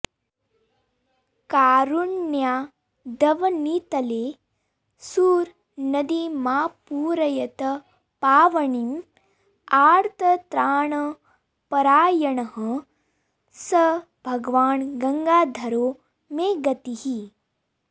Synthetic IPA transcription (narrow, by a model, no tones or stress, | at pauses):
kaːɾuɳːjaː | d̪ɐʋɐnit̪ɐleː | suːɾ | nɐd̪imaːpuːɾɐjɐt̪ɐ | paːʋɐɳin | aːɾt̪ʰɐt̪ɾaːɳɐ | pɐɾaːjɐɳɐɦɐ̃ | sɐ | bʱɐɡʋaːnɡɐŋɡaːd̪ʱɐɾoː | meːɡɐt̪iɦi